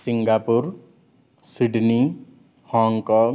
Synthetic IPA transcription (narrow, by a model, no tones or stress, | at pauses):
sɪŋɡaːpuɾ | sɪɖni | hɔːŋɡkɔ̃ːŋ